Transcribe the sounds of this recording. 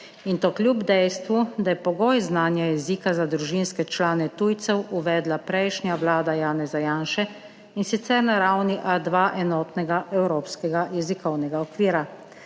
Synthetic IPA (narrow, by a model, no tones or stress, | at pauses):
int̪oːklʲjubd̪ɛjst̪ʋud̪ajɛpɔɡoːjznaːnjajɛziːkazad̪ɾuʒinskɛt͡ʃlaːnɛt̪uːjt̪sɛwuʋɛːd̪lapɾɛjʃnʲjaʋlaːd̪ajaːnɛzajaːnʃɛ | insit̪sɛɾnaɾawniʔad̪ʋaːʔɛnɔːt̪nɛɡaɛwɾoːpskɛɡajɛzikɔwnɛɡaɔkʋiːɾa